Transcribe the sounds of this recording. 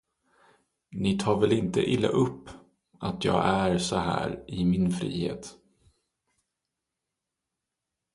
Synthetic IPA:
nɪt̪ʰɑːɾvɛlɪnt̪əʔɪlːa̰ʔɵpː | ʔat̪jɑːɡæɾsɔhæ̰ːɾɪmɪnfɾiːhḛːt̪

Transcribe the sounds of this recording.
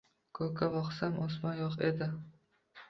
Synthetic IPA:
kʰokʰavɒqsamʔɒsmɒnjɒqed̪ɪ

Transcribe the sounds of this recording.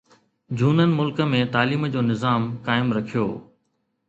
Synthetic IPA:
d͡ʑʱuːnənɪ̆mʊlkə̆mẽt̪aːliːmd͡ʑoːnɪzaːmkaːɪmɾɐkʰijo̰ː

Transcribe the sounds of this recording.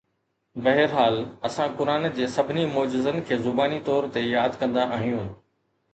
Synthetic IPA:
bɐɦɪɾɦaːlɐsãkʊɾaːnd͡ʑeːsɐbʱɪnimoːd͡ʑɪzənkʰeːzʊbaːnit̪ɔːɾt̪ejaːd̪kɐ̃nd̪aʔaːɦijũː

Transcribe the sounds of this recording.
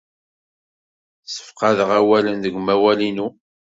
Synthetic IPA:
sə̥fqɑðəʁæwælənðəɡmæwælinu

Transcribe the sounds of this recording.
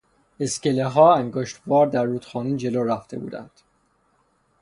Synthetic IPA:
eskeleɦɒːæŋɡoʃt̪vɒːɾd̪æɾːuːt̪xɒːniːd͡ʒe̞loːɾæft̪ʰe̞̰bṵːd̪æ̰nd̪̥

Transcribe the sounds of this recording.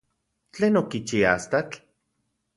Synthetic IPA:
t͡ɬeːnokit͡ʃiaast̪at͡ɬ

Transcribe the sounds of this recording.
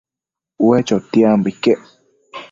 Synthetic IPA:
uet͡ʃot̪iambikːe

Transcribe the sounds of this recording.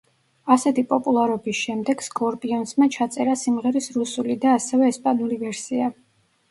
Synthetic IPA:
asɛt̪ʰipʼɔpʼulˠaɾɔbisʃɛmd̪ɛɡ̥skʼɔɾpʼiɔnsmat͡ʃʰat̪sʼɛɾasimʁɛɾisɾusulid̪aːsɛvɛːspʼanulivɛɾsia

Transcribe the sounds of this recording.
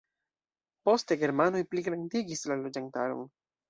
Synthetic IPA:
po̞ste̞ɡe̞ɾmanojpliɡɾandiɡislalo̞d͡ʒantaɾo̰n

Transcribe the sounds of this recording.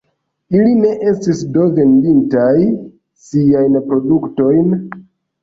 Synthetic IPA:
iline̞ʔe̞stisdo̞ve̞ndintaj | siajnpɾo̞dukto̞jn

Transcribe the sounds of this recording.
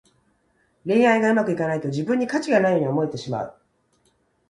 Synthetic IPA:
ɾẽ̞ɰ̃aiɡaɯ̟makɯ̟ikanait̪o̞d͡ʑibɯ̟̃ɲ̟ːikat͡ɕiɡanaijoːɲ̟io̞mo̞et̪e̞ɕima̰ɯ̟

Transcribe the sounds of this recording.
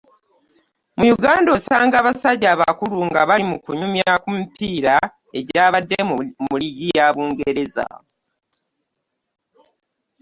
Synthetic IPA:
mujuɡaːndo̞saːŋɡaβasaɟːaːβa̰kuluŋɡaβalimukuɲumjakumipiːɾa | e̞ɟaːβadːemuliɡijaːβuːŋɡeɾe̞za̰o

